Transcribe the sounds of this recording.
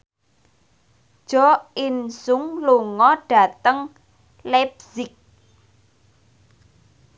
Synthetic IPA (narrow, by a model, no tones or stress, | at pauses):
ʒ̥ɔinsʊŋloŋɔɖ̥a̤t̪əŋ | lɛbsɪk̚